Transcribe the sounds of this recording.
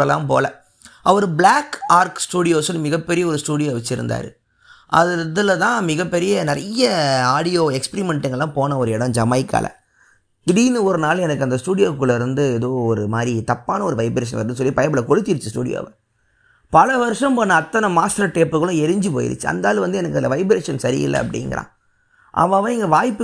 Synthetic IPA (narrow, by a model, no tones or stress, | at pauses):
ɐlːã̰ːmpo̰ːlɐ | ʔɐʋɐɾɯblaːkaːɾksʈuːɽɪjoːsɔlmɪɣɐpːɛɾɪjɐɔɾɯsʈuːɽɪjoːʋɐt͡ʃːɪɾɯ̰nd̪a̰ːɾɯ̰ | ʔɐ̰ððɪlɐt̪ãːmɪɣɐpːɛɾɪjɐnɪɾɐjɐaːɽɪjoːɛkspɛɾimɛɳʈɪŋɡɐɭlːãːpoːnɐɔɾɯɛɽɐmd͡ʒɐmɐɪkːa̰ːlʔɐ̰ | ɽinːɯɔɾɯnaːlɛnɐkːɯɐnd̪ɐsʈuːɽɪjoːkːɯɭːɐɪɾɯnd̪ɯɛðoːɔɾɯmaːd̪ɾit̪ɐpːaːnɐɔɾɯʋɐɪbɾeːʂɐnʋɐɾnsɔlːipɐjɐbɪlɐkɔɻɯt̪ːɪɾɯt͡ʃːɯsʈṵːɽɪjo̰ːʋɐ | pɐlɐʋɐɾɯʂɐ̃mpɐːnːɐɐt̪ːɐnɐmaːsʈɾɐʈeːpːɯɣɐɭʊ̃ɛɾɯɲd͡ʒɯpo̰ːjɪ̰ɾɯ̰t͡ʃːɯɐ̰nd̪aːlʋɐnd̪ɯɛnɐkːɐnd̪ɐʋɐɪbɾeːʂɐnsɐɾɪ̰ɪ̰lːɐ̰ɐpːɐɽɪ̰ŋɡɐ̰ɾã̰ː | ʔɐ̰ʋaːʋɐ̃ɪŋɡɐʋaːjpːɯ